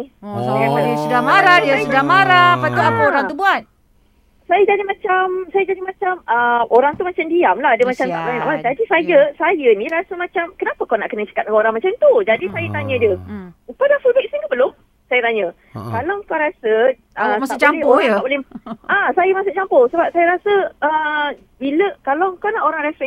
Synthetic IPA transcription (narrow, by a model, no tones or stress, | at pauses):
ajamadiasudamaɾadiasudahmaɾapat̪uapaoɾaŋubuat̪̚ | sajəd͡ʒadimãt͡ʃamsajəd͡ʒadimãt͡ʃaməmoɾaŋt̪umat͡ʃamdiamlaɦadəmat͡ʃamt̪aʔaɲaʔad͡ʒadisajəsajənĩɾasəmãt͡ʃamkənapəkana̰ʔkənət͡ʃə̥kat̪̚oɾaŋmat͡ʃamt̪ud͡ʒadisajət̪aɲədəupədafulbɛk̚siŋkəbəlʊm | sajət̪aɲə | kalakaɾasə | əat͡ʃalɛoɾaŋaʔbolɛhãsajəmasʊʔt͡ʃamposəbap̚sajəɾasəʔə | biləkalaŋkawnaʔoɾaŋɾɛfɛ